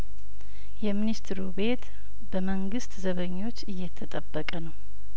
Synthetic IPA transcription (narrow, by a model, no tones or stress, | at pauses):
jɛminist̪ɾube̞t̪ | bəməŋɡɨst̪zəβəɲːo̞t͡ʃːɨjːɛt̪ʰːət̪ʼəbːəkʼənəw